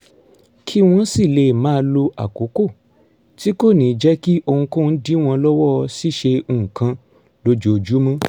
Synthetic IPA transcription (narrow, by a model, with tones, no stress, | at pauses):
kʰi˦w̃ɔ̃˧˦si˦˨le˨mãː˦˧lo˧a̰˨ko˨˦ko˦˨ | ti˦ko˦˨nĩː˨˦d͡ʒɛ˦ki˦ʔo˧hũ˧ko˦˨n̩˦di˦w̃ɔ̃˧lɔ˦wɔ˦˧si˦˨ʃe˧ũ˨kã˧ | lo˧˦d͡ʒo˨o˧d͡ʒu˨˦mã˦